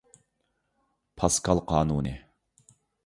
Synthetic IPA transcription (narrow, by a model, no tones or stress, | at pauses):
pʰɑskʰɑlˠqʰɑːnunɨ